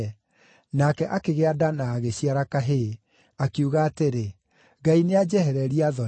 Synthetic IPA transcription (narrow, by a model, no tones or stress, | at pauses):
nakɛʔakeɣeadanaːɣeɕiaɾakaɦe | akiuɣaːteɾe | ɡainead͡ʑɛhɛɾɛɾiaðɔ